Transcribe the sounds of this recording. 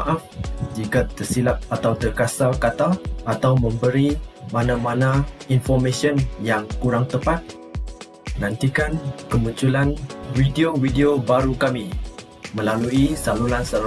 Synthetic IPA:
ʔafd͡ʒikat̪ərsilap̪̚at̪awt̪ərkasakat̪aːt̪awmə̃mbəɾimãnãmanãinfɔrmẽsiɔnjaŋkuɾaŋt̪əpat̪̚ | nãnt̪ikankəmuɲt͡ʃulanwidiowidiobaɾukami | mə̃laluisalulansal

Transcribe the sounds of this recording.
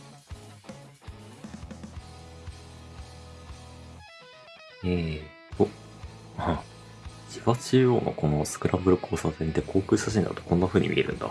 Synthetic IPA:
e | t̪o | ã | d͡ʑiβat͡ɕio̰ːno̞̰ko̞no̞sɨ̥kɯ̟ɾʔabɯ̟ɾɯkʰoːsat̪ẽnd̪e̞kʰo̞ːkɯ̟ːsaɕ̬ĩnd̪a̰t̪o̞̥kõ̞nːaɸɯ̟ːɲ̟ḭmʲḭeɾʔɯ̟̰̃nd̪a̰

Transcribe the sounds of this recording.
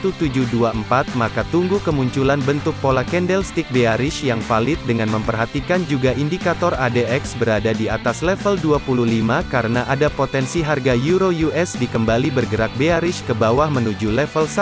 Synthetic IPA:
t̪ut̪ud͡ʒuduaəmpat̪̚makat̪uŋɡukəmuɲt͡ʃulanbənt̪ʊk̚polakɛndɛlst̪ik̚beaɾɪʃjaŋfalɪt̪̚dəŋanməmpərɦat̪ikand͡ʒuɡaʔindikat̪ɔradeʔɛksbəɾadadiat̪aslɛfəlduapuluhlimakaɾənaʔadapot̪ɛnsiɦarɡajuɾojuʔɛsdikəmbalibərɡəɾak̚beaɾɪʃkəbawahmənud͡ʒulɛfəlsa

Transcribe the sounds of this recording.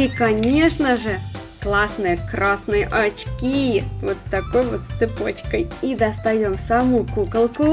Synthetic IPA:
ikɐnʲe̞ʂnəʐɨ | klˠasnɨjəkrʔasnɨjəʔɐt͡ɕkʲivot̪st̪ɐko̞jvot̪st̪sɨpot͡ɕkəjid̪ɐst̪ɐjomsɐmukukəlˠkʊ

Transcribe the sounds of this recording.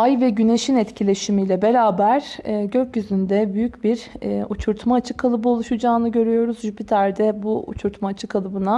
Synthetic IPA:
ajvɛɟyne̞ʃinɛt̪cʰilʲe̞ʃimilʲɛbe̞ɾaːbæɾ̥ːɟøcjyzynd̪ɛbyjycbiɾut͡ʃʰuɾt̪ʰmaːt͡ʃʰɯ̥kʰːalˠɯbɯolˠuʃud͡ʒaːnɯɟø̞ɾyjo̞ɾuzʒypʰit̪ʰæɾd̪ɛbuṵt͡ʃʰuɾt̪maːt͡ʃʰɯkʰalˠɯbɯna

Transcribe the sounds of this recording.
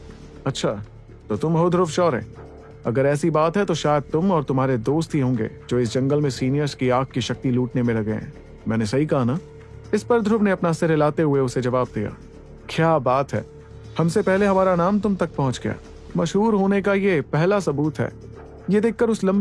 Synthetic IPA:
ɐtːʃʰaː | t̪ot̪ʊmɦod̪ʱɾʊfʃɔːɾɦɛ̰̃ː | ɐɡəɾɛːsibaːt̪ɦɛt̪oʃaːjəd̪̚t̪ʊmɔːɾt̪ʊmɦaːɾed̪oːst̪ɦiɦõːŋɡḛːd͡ʒoːɪs̬d͡ʒɐ̃ŋɡəlmẽsiːnijəɾskiaːk̚kiʃɐk̚t̪iluːʈnemẽlɐɡeɦɛ̰̃ː | mɛ̃ːnesɐɦikɐɦana | ɪspɐɾd̪ʱɾʊbneɐpnasɪɾlaːt̪eɦʊeʊsed͡ʒɐʋaːb̚d̪ija̰ː | kjaːbaːt̪ɦɛ̰ː | hɐmsepɛɦleɦɐmaːɾanaːmt̪ʊmt̪ɐk̚pɐɦʊ̃t͡ʃɡɐja̰ː | mɐʃɦuːɾɦoːnekajepɛɦlasɐbuːt̪ɦɛ̰ː | jed̪eːk̚ʰːəɾʊslɐ̃mb

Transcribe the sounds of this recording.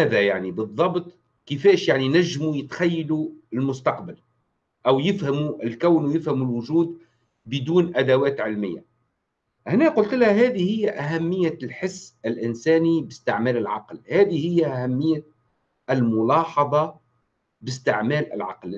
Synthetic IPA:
æːðæjaʕnibɨðˤːɑbt̪ˤ | kɪfæːʃjaʕninæʒːmujɪt̪xajːaluɪlmʊst̪ɑqbal | ʔæwjɪfhamuʔɪlkawnwjɪfhæmulwʊʒuːd̪̚ | bɪd̪uːnʔæd̪awæːt̪ʕɪlmɪ̰jːa̰ | ʔɪhnæːqʊlt̪lhæɦæːðihɪjːæʔæɦæmːɪjːalħɪsːɪlʔɪnsæːnibɪst̪ɪʕmæːlɪlʕɑ̰qlhæːðihɪjːæʔæhæmːɪjːa | ɪlmʊlɑːħɑðˤɑ | bɪst̪ɪʕmæːlɪ̰lʕɑ̰ql

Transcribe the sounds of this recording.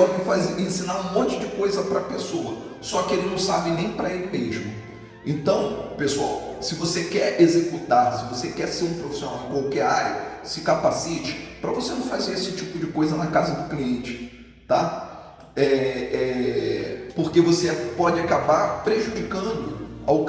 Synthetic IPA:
ɔmɪfazeɾẽsĩnaɾũmõt͡ʃɪd͡ʒɪkojzɐpɾɐpesoɐsɔkɪelɪnɐ̃w̃sabɪnẽj̃pɾɐelɪmeʒmʊ | ẽnt̪ɐ̃w̃pesua̰wsɪvosekɛɾezekut̪asɪvosekɛseɾũpɾofi̥sionawɪ̃kwawkɛɾaɾjɐsɪkapasit͡ʃɪ̥pɾɐvosenɐ̃w̃fazeɾesɪt͡ʃipʊd͡ʒɪkojzɐnɐkazɐd̪ʊkliẽt͡ʃɪ̥ | t̪a | ɛɛ | poɾkevosepɔd͡ʒɪakabapɾeʒud͡ʒikɐ̃d̪ʊaw

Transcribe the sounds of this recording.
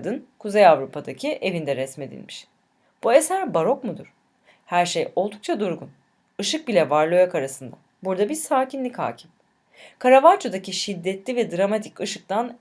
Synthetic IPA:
d̪ɯnkʰuzejavɾupʰad̪acʰiʔevind̪ɛɾɛsme̞d̪ḭlʲmiʃ | b̥ue̞sæɾbaɾo̞kmud̪uɾ̥ | hæɾʃejo̞lˠd̪uk̚t͡ʃʰad̪uɾɡun | ɯʃɯk̚bilʲɛvaɾlˠojakʰaɾasɯnd̪a̰ | buɾd̪abiɾsaːcʰinlʲicha̰ːcʰi̥m | kʰaɾavat͡ʃʰod̪aciʃid̪ːɛt̪lʲivɛd̪ɾamat̪ʰicɯʃɯk̚t̪an

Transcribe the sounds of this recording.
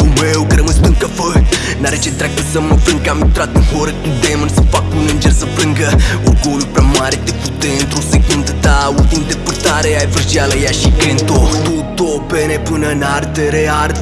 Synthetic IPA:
umewkəɾəmɨspɨnkəfək | naɾet͡ʃet̪ɾak̚p̪əsəməfɾɨŋkamit̪ɾat̪̚ufoɾəkud̪emənsəfakunɨnd͡ʒersəfɾɨŋɡəoɡolupɾamaɾet̪eput̪ent̪ɾusekund̪ət̪ault̪imd̪epərt̪aɾeajfəɾʒialəjaʃikɾent̪ot̪ut̪openepɨnənart̪eɾeaɾ

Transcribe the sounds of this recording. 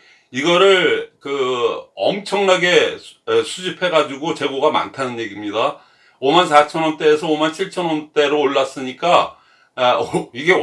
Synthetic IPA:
iɡʌɾɯɭkɯʌ̰mt͡ɕʰʌŋnaɡe̞sʰud͡ʑipʰe̞ɡad͡ʑiɡot͡ɕe̞ɡoɡama̰ntʰanɯnje̞ɡimɲida | omansʰat͡ɕʰʌnwʌnt͈e̞ːsʰʌomant͡ɕʰiɭt͡ɕʰʌnwʌnt͈e̞ɾoːɭːas͈ɯɲik͈a | iɡe̞

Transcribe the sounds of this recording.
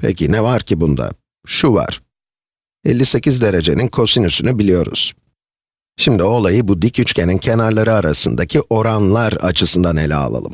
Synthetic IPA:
pʰḛcʰinɛvaɾcʰibund̪a̰ | ʃuva̰ɾ̥ | ɛ̰lʲːise̞cizd̪e̞ɾe̞d͡ʒe̞ninkʰo̞sinysynybilʲijo̞ɾṵz̥ | ʃimd̪io̞lˠajɯbud̪icyt͡ʃcʰe̞nincʰe̞naɾlˠaɾɯaɾasɯnd̪acʰiʔo̞ɾanlˠaɾa̰t͡ʃʰɯsɯnd̪anelʲɛ̰a̰lˠa̰lˠɯ̰m

